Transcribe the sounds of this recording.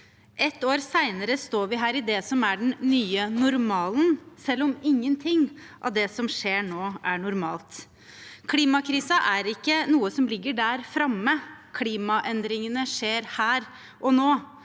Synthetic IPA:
ʔɛt̪ːoːɾsæɪnəɾəst̪oːɾʋɪɦæːɾɪd̪ɛsɔmæɖɛn̩ːyːənʊɾmɑːlnsɛlːɔmɪŋːənt̪ʰɪŋːʔɑ̰ʋd̪ɛsɔmʂeːɳoːʔæɳʊɾmɑːlt̪ | kʰliːmɑkʰɾiːsəʔæɾɪkːənuːəsɔmlɪɡːəɖæɾfɾɑmːəkʰliːmɑʔɛnd̪ɾɪŋənəʂeːɾhæːɾ | ʔɔnoː

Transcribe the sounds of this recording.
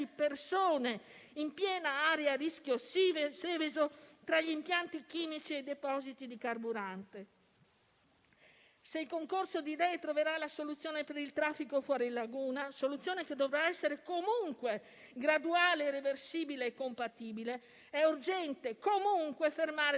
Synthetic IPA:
ipersoːne | impjɛːnaaːɾearisk̟jossɛːvezot̪ɾaʎiimpjant̪ikiːmit͡ʃiɛd̪epɔːzit̪id̪ikarbuɾant̪e | seilkoŋkorsod̪id̪ɛjt̪ɾoveɾalasolut̪sːjoːnepeɾilt̪ɾafːikofwɔːɾiilːaɡuːnasolut̪sːjoːneked̪ːovɾaɛsːeɾekomuŋkwe | ɡɾad̪uaːleːrːeversiːbileːkːompat̪iːbile | ɛurd͡ʒɛnt̪ekomuŋkwefermaːɾe

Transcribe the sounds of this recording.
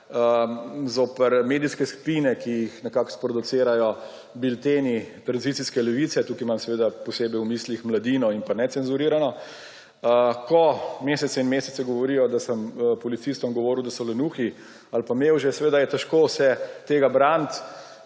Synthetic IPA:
əzoːpəɾmeːd̪iskɛskpiːnɛkijixnɛkakspɾɔd̪ut̪seːɾajɔ | bilt̪enit̪ɾanzit̪siskɛlɛʋit̪sɛt̪ukimamsɛʋeːd̪apɔseːbɛjwmiːslixmlad̪iːnɔinpanɛtsɛnzuɾiːɾanɔ | əkɔmesɛt̪sɛinmeːsɛt̪sɛɡɔʋɔɾiːjɔd̪asəmpɔlit̪sist̪ɔmɡɔʋɔːɾuwd̪asɔlɛnuːxi | alpamewʒɛsɛʋeːd̪ajɛt̪ɛʃkosɛt̪eːɡabɾant̪

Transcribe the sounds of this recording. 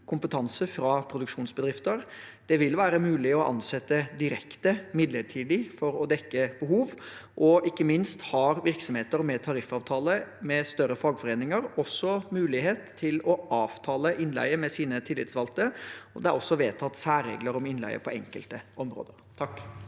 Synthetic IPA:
kʰʊmpət̪ʰɑnsəfɾɑpʰɾʊd̪ʉkʂuːnsbəd̪ɾɪft̪əɾd̪̥ɛʋɪlʋæːɾəmʉːlɪɔʔɑ̰nsɛt̪ːəd̪ɪɾɛkt̪əmɪd̪ləʈʰiːd̪ɪfɔɾɔd̪ɛkːəb̥əɦuːʋʔɔʔɪkːəmɪnst̪hɑːɾʋɪɾksɔmheːt̪əɾmɛt̪ʰɑɾɪfɑːʋt̪ʰɑːləmɛst̪œɾəfɑːɡfɔɾeːnɪŋəɾɔsːɔmʉːlɪɦeːt̪ʰːɪlɔʔɑːʋt̪ʰɑːləʔɪnlæ̰ɪəmɛsiːnət̪ʰɪlːɪ̰t̪sʋɑlt̪əɔd̪ɛæɾɔsːɔʋeːt̪ʰɑt̪ːsæːɾːḛːɡləɾɔmɪnlæ̰ɪə̰pʰɔɛ̰ŋkəlt̪əʔɔmɾo̰ːd̪əɾt̪ʰɑkː

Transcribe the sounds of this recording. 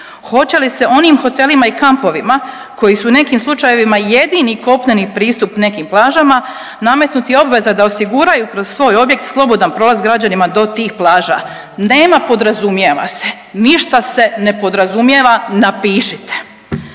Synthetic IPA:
xo̞t͡ɕe̞lise̞ʔo̞niːmxo̞t̪e̞limaikampo̞ʋima | ko̞jisuːne̞kiːmslˠut͡ʃaje̞ʋimaje̞d̪iniko̞pɲenipɾiːst̪upne̞kiːmplˠaːʒama | name̞t̪nut̪io̞bʋe̞zad̪ao̞siɡuɾajukɾo̞z̥sʋo̞ːjo̞bje̞k̚t̪slˠo̞bo̞d̪anpɾo̞ːlˠazɡɾad͡ʑanimad̪o̞t̪iːxplˠaːʒa̰ | ne̞ːmapo̞d̪ɾazumjeʋa̰se̞ | niʃt̪ase̞ne̞po̞d̪ɾazumje̞ʋanapiːʃit̪e̥

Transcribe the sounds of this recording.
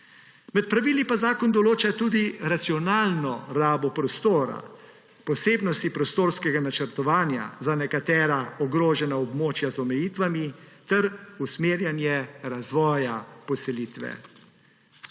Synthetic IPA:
mɛt̪̚pɾaʋiːlipazaːkɔnd̪ɔloːt͡ʃat̪uːd̪iɾat̪siɔnaːlnɔɾaːbɔpɾɔst̪oːɾa̰ | pɔseːbnɔst̪ipɾɔst̪oːɾskɛɡanat͡ʃəɾt̪ɔʋaːnja̰zanɛkat̪ɛːɾaɔɡɾoːʒɛnaɔbmoːt͡ʃjazɔmɛjiːt̪ʋamit̪ɛɾusmeːɾjanjɛɾazʋɔːjapɔsɛliːt̪ʋɛ̰

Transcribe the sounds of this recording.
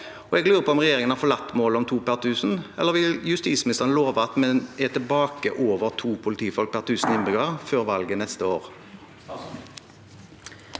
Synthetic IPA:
ɔɛɡlʉːʁəpʰɔɔmʁɛjeːʁɪŋənhɑʁfɔlɑt̪ːmoːlɔmt̪ʰuːpæʁt̪ʰʉːsn̩ɛ̰lːəʁʋɪljʉst̪iːtsmɪnɪst̪əʁənloːʋəɑt̪mɛnɛt̪ʰɪlbɑːkə̰ʔoːʋəʁt̪ʰuːpʰʊlɪt̪ʰiːfɔlk̚pʰæʁt̪ʰʉːsn̩ɪnbʁʏɡəʁføːʁʋɑlɡənɛst̪əoːʁ

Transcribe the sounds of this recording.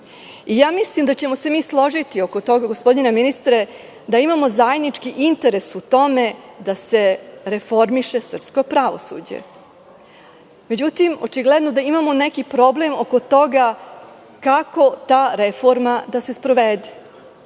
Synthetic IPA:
ijaːmislimd̪at͡ɕe̞mo̞se̞miːslˠo̞ʐit̪io̞kot̪o̞ɡaɡospo̞d̪ineminist̪ɾe | d̪aimamo̞zaːjed̪nit͡ʂkiʔint̪e̞ɾe̞sut̪o̞me̞d̪ase̞ɾe̞fo̞ɾmiʃe̞sr̩psko̞pɾaʋo̞̰sṵd͡ʑḛ | me̞d͡ʑut̪imo̞̰t͡ʃiɡled̪nod̪aimamo̞nekipɾo̞ble̞moko̞t̪o̞ɡa | kako̞t̪aːɾefo̞ɾmad̪ase̞spɾo̞ʋed̪e

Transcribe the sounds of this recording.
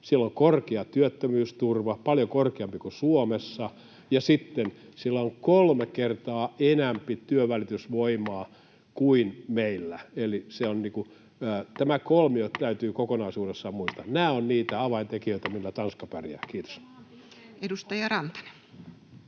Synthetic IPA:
sielːoŋkorkeɑt̪yøt̪ːømyːst̪urʋɑpɑljokorkeɑmpikusuomesːɑ | jɑsit̪ːensilːæoŋkolmekert̪ɑːenæmpit̪yøʋælit̪ysʋoimɑː | kuinmeilːæeliseonniːkuː | t̪æmækolmiot̪æyt̪yːkokonɑisuːdesːɑmuist̪ɑnnæːonniːt̪æɑʋɑint̪ekijøit̪æmilːæt̪ɑnskɑpærjæ̰ːkiːt̪o̥s | edust̪ɑjɑrɑnt̪ɑ̥ne̥

